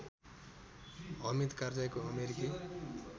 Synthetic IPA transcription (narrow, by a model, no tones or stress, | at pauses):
ɦʌmit̪kard͡zajkoʌmeɾiki